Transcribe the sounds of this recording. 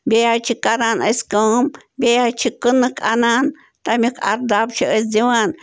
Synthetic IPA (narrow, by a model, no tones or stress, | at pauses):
beat͡ʃikananəskəm | bʲeat͡ʃikənɨkʰʼanan | t̪amʲikʰa̰ɾd̪ab̚t͡ʃiʔəsd̪iwan